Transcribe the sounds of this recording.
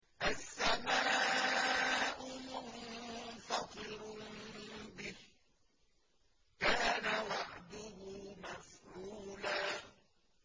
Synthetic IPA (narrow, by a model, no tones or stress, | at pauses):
ʔasːamaː | ʔʊmʊnfɑt̪ˤɨɾ | bɪh | kaːnawɑʕd̪ʊhʊmafʕuːlaː